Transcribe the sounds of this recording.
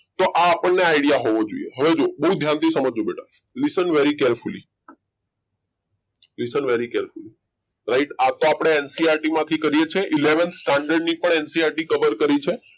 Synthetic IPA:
t̪oʔaːpəɳːeaɪɽijaɦoʋod͡ʒoḭeɦəʋed͡ʒobəɦud̪ʱjãnt̪ʰisəməd͡ʒd͡ʒobeʈa | lisənʋeɾikeɾfulḭ | lisənʋeɾikeɾfuli | ɾaɪʈat̪oapɽ̃eensiaɾʈimãt̪ʰikəɾijet͡ʃʰeʔileʋənsʈaɳɖəɾɖnipəɳensiaɾʈikəʋəɾkəɾit͡ʃʰe

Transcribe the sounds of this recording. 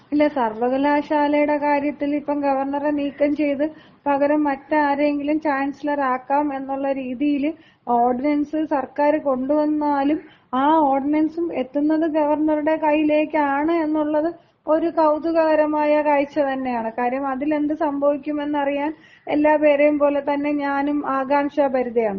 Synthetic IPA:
ilːesɐrʋɐɣɐlaːɕaːlɐjuɽe̞kaːɾjɐt̪ːilipːɐmɡɐʋɐrɳɐreniːkːɐmt͡ɕe̞jt̪ɨ | pɐɣɐɾɐmːɐtːaːɾeŋɡilumt͡ɕaːnsɐlɐraːkːaːme̞nːuɭːɐɾiːðijilu | o̞ːrɖinɐnsɨsɐrkaːɾɨko̞ɳɖuʋɐnːaːlum | aːoːrɖinɐnsume̞t̪ːunːɐðɨɡɐʋɐrɳɐruɽe̞kɐjːile̞ːkːɨaːɳɨe̞nːuɭːɐðɨ | o̞ɾukɐwd̪uɣɐɣɐɾɐmaːjɐkaːjit͡ɕːɐt̪ɐnːe̞jaːɳɨkaːɾɐjɐmɐðile̞nd̪ɨsɐmbʱɐʋikʲːume̞nːɐrijaːn | e̞lːaːpe̞ːɾejumpo̞ːle̞t̪ɐnːe̞ɲaːnumaːɡaːmʂɐpɐɾuðɐjaːɳɨ

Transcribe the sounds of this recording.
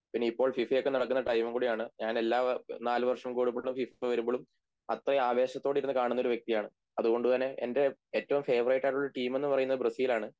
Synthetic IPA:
pinːeipːoːɭfifɐjo̞kːe̞nɐɽɐkːunːɐʈɐjmɐmkuːɽijaːɳɨɲaːne̞lːaːnaːlɨʋɐrʂɐmkuːɽupːeɭumfifɐʋɐɾumboɭum | ɐt̪rɐaːʋe̞ːɕɐt̪ːoːɽiɾunːɨkaːɳunːo̞ɾuʋjek̚t̪ijaːɳɨ | ɐðuɣo̞ɳɖut̪ɐnːe̞ʔḛnde̞eːtːɐʋumfe̞ːʋɐrɐjʈːaːjʈuɭːɐʈiːme̞nːɨpɐrɐjunːɐðbrɐsiːlaːɳɨ

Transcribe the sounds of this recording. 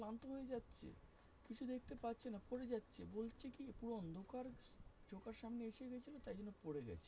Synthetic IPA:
klant̪oɦojed͡ʑatːɕʰḛ | kit͡ɕʰud̪ekʰt̪epatːɕʰenapoɾed͡ʑatːɕʰḛbolt͡ɕʰekipuɽoɔnd̪ʱokaɾd͡ʑʱokaɾʃamneeʃeɡɛt͡ɕʰilot̪ajd͡ʑonːopoɽeɡɛ̰t͡ɕʰe̥

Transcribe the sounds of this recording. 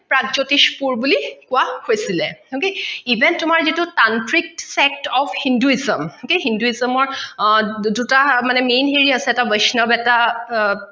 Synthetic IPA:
pɹaɡd͡ʒotiʃpuɹbulikʊahojsilɛhokeibɛnttːumaɹzitutantɹik̚sɛk̚tɔpʰhinduizəmokeɦinduizɔmɔɹ | dutamanɛmenɦeɹiasɛɛtabəjsnɔbɛta

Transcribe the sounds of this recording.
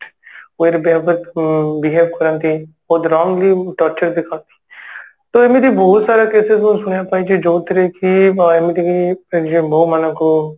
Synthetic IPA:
ʋeːɾbeːbəɾt̪bɪɦeːʋkəɾə̃nt̪iːboːt̪ɾaːmliːʈɔːɾt͡ʃəɾd̪ɪkʰãːnt̪ʰi̥ː | t̪oːemit̪iːbɔːt̪saːɾaːkeːsɪzʊnsʊɽjaːpaːiːd͡ʒid͡ʒoːt̪əɾeːkiemid̪ikied͡ʒiboːmanãko

